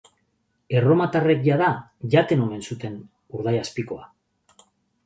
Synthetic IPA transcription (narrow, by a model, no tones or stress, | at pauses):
e̞ro̞mat̪are̞k̚ʝaðaʝat̪e̞no̞me̞nsut̪e̞n | uɾð̞ajaspiko̞a